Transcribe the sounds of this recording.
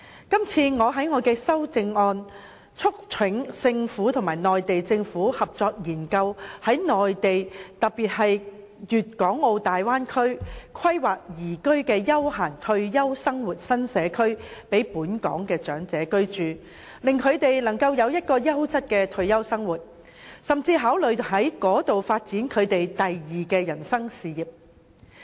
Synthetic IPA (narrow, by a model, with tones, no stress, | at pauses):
kɐ˥mt͡sʰiː˧ŋɔː˨˧ɦɐ˨˥jŋɔː˨˧kɛː˧sɐ˥wt͡sɪ˧ŋɔː˧n | t͡sʰʊ˥k̚t͡sʰɪ˨˥ŋsɪ˧ŋfuː˨˥t̪ʰʊ˨˩ŋmaː˨˩jnɔː˨jt̪e˨jt͡sɪ˧ŋfuː˨˥hɐ˨p̚t͡sɔː˧k̚jiː˨˩nkɐ˧whɐ˨˥jnɔː˨jt̪e˨jt̪ɐ˨k̚piː˨t̚ɦɐ˨j | jyː˨t̚kɔː˨˥ŋo˧wt̪aː˨jwaː˥nkʰɵ˥ɥkʰɐ˥jwaː˨k̚jiː˨˩kɵ˥ɥkɛː˧jɐ˥whaː˨˩ŋt̪ʰɵ˧ɥjɐ˥wsɐ˥ŋwuː˨t̚sɐ˥nsɛː˨˧kʰɵ˥ɥpe˨˥jpuː˨˥nkɔ̰ː˨˥ŋkɛː˧t͡ʃœː˨˥ŋt͡sɛː˨˥kɵ˥ɥt͡ʃyː˨ | lɪ˨ŋkʰɵ˨˧ɥt̪e˨jlɐ˨˩ŋkɐ˧wjɐ˨˧wjɐ˥t̚kɔː˧jɐ˥wt͡sɐ˥t̚kɛː˧t̪ʰɵ˧ɥjɐ˥wsɐ˥ŋwuː˨t̚ | sɐ˨mt͡siː˧ɦaː˨˥wlɵ˨ɥhɐ˨˥jkɔː˨˥t̪o˨wfaː˧t̚t͡siː˨˥nkʰɵ˨˧ɥt̪e˨jt̪ɐ˨jjiː˨kɛː˧jɐ˨˩nsɐ˥ŋsiː˨jiː˨˩p̚